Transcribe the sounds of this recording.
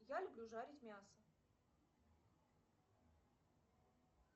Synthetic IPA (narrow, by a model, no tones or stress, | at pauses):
jalʲʊblʲuʐaɾʲɪtʲmʲasə